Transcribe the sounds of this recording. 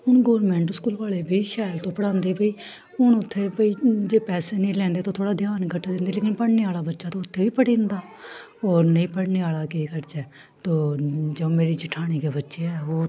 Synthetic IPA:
ɦʊɳɡɔːɾmɛ̃ːɳʈskuːlʋaːleːbiːʃaːɪlt̪õːpəɽãːnd̪eːbəiː | ɦʊnʊt̪ʰːeːbəiːd͡ʒeːpɛːseːnĩːlɛ̃ːnd̪eːt̪õːt̪ʰoːɽaːd̪ʱjaːnkʰəʈʰːd̪ɪ̃nd̪eːleːkɪnpəɽneːaːlaːbətːʃaːt̪õːʊt̪ʰːeːʋiːpəɽĩːnd̪aː | ɔːɾnəĩːpəɽneːaːlaːkeːkəɾd͡ʒɛː | t̪õːd͡ʒəõːmeːɾiːt͡ʃɪʈʰaːɽ̃iːkeːbətːʃeːɛːoː

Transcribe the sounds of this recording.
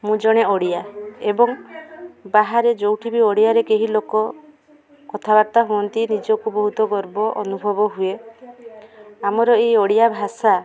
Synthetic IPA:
mũd͡ʒɔɽ̃eɔɽijaebɔŋ | baɦaɾed͡ʒowʈʰibiɔɽijaɾekeɦilokɔ | kɔt̪ʰabaɾt̪aɦuɔnt̪inid͡ʒɔkubɔɦut̪ɔɡɔɾbɔʔɔnubʱɔbɔɦue | amɔɾɔeɔɽijabʱasa

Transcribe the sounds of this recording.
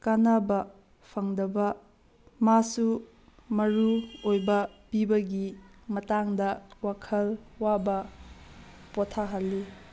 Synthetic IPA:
kanabɐ | pʰɐŋdɐbɐ | masu | mɐɾuojbɐpibɐɡimɐtaŋdɐwakʰɐlwabɐ | potʰaɦalːi

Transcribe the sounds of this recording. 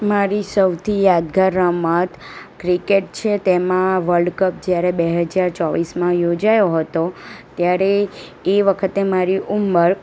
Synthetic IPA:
maɾisəwt̪ʰijad̪ɡaɾːəmat̪kɾikeʈ̚t͡ʃʰet̪emãʋəɾɖkəp̚d͡ʒjaɾebeɦəd͡ʒaɾt͡ʃɔʋismãjod͡ʒajoɦət̪ot̪jaɾeː | ʋəkʰət̪emaɾiʔumbəɾ

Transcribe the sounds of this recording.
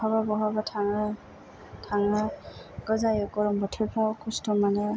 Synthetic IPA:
haβabɔɦabatʰaŋa | tʰaŋaɡ̥ɔzajɔkɔɹɔmbɔtʰɛpʰawkʰɔstɔmanɛ

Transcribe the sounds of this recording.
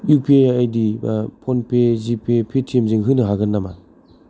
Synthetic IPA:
jupʰiejaajdipʰɔnpezipʰepʰetʰiemzɯŋɦɯnɯɦaɡɯnːama̰n

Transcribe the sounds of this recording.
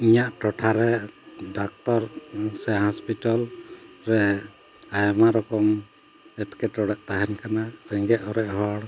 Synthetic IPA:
iɲaʔʈɔʈʰaɾɛɖak̚t̪ɔɾsɛɦɔspiʈɔlɾɛ | ajmaɾɔkɔm | ɛʈkɛʈɔɽɛʔt̪aɦɛnkanaɾɛŋɡɛʔɔɾɛʔɦɔɽ

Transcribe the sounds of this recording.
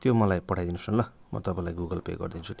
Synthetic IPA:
t̪jomʌlajpʌɽʰajd̪inusunlʌ | mʌ̰t̪ʌpãĩlajɡuɡʌlpḛɡʌ̰rd̪int͡sʰut̪

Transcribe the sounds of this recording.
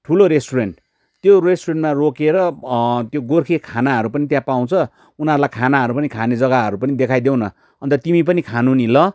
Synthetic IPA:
ʈʰuloɾesʈuɾeɳʈ | t̪joresʈureɳʈmarokeɾʌt̪joɡorkʰekʰanaɦʌɾupʌnit̪jãpaw̃t͡sʰʌ | unʌɾulajkʰanaɦʌɾupʌnikʰaned͡zʌɡaɦʌɾupʌnid̪ekʰajd̪ew̃nʌ | ʌnt̪ʌt̪imip̬ʌnikʰanunilʌ

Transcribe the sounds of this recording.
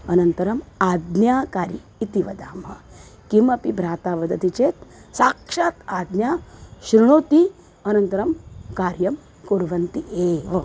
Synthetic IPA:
ɐnɐnt̪ɐɾɐmaːd̪njaːkaːɾi | it̪iʋɐd̪aːmɐ | kimɐpibɾaːt̪aːbɐd̪ɐt̪it͡ʃeːt̪saːkʃaːt̪aːd̪njaːʃɾuɳ̃oːt̪i | ɐnɐnt̪ɐɾɐmkaːɾjɐm | kuɾʋɐnt̪iʔeːʋɐ

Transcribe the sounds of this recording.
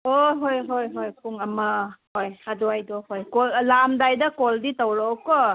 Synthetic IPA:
oɦojɦojɦojpʰuŋɐmɐhojadɔajdɔhojkɔllamdajdɐkɔlditawɾɔkɔ

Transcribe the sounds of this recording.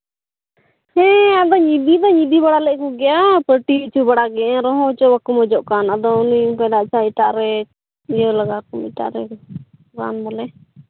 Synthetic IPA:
hɛ̃ad̪ɔɲid̪id̪ɔɲid̪ibaɽalɛʔkɔɡɛjapəʈiit͡ʃubaɽaɡɛɛ̃ɾɔɦɔ̃t͡ʃɔbakumɔd͡ʒɔʔkanad̪ɔunikajlaʔt͡ʃaiʈaʔɾɛ | ijɔlaɡakɔmiʈa̰ʔɾɛ | ɾa̰nbalɛ

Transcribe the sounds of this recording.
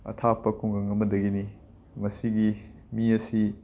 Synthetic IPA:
ɐ̰tʰapɐkʰuŋɡɐŋɐmɐdɐɡini | mɐsiɡi | miɐsi

